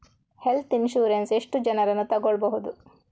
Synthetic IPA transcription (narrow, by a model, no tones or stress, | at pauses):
helt̪inʃuːɾenseʂʈud͡ʒɐnɐɾenːut̪ɐɡɔɭbɐɦud̪u